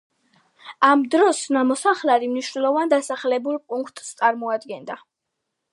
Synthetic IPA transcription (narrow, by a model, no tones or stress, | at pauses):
amd̪ɾɔsnamɔsaχlaɾimniʃnɛlˠɔvand̪asaχlɛbulˠpʼuŋkʰt̪ʼst̪sʼaɾmɔad̪ɡɛnd̪a